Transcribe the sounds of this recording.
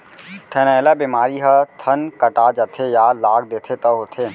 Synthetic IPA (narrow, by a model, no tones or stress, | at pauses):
t̪ʰɛnaelabimaːɾiɦɐt̪ʰənkəʈaːd͡ʒət̪ʰejaːlaːɡ̚d̪eːt̪ʰet̪əot̪ʰeː